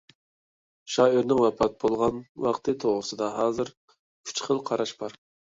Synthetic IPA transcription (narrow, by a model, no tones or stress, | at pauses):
ʃɑːiɾnɪŋwɛpʰɑt̪̚bolˠʁɑnwɑqt̪ʰɨt̪ʰoʁɾɨsɨd̪ɑɦɑːzɨɾ | kʲʰy̥t͡ʃχəlˠqʰɑɾɑʃb̥ɑɾ